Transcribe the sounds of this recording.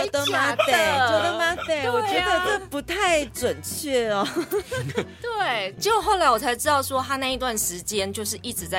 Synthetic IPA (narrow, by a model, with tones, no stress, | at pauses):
o˥˧t̪ə˧ma˥e˥˨˥t̪ə˥ma˥t̪e˥˨˩wɔ˨˩˥t͡ɕɥɛ˧d̪ə˧˥˧pu˧˥t̪ʰa˥˩ɪʈ͡ʂwə˨˩nt͡ɕʰɥɛ˥˩ɐ˨˩ | t̪we˥˩ɪt͡ɕo˥˧xo˥˩ʊla˨˧˥ɪwɔ˨˩t͡sʰa˧˥ɪʈ͡ʂɻ̩˥t̪ɑ˥˩ʊsʂwɔ˥t̪ʰa˥na˥˩i˧˥t̪wa˥˩nʂɻ̩˧˥t͡ɕjɛ˦˥nt͡ɕjo˥˧ʊʂɻ̩˥˧ʔi˥˩ʈ͡ʂɻ̩˨˩˦t͡sa˥˩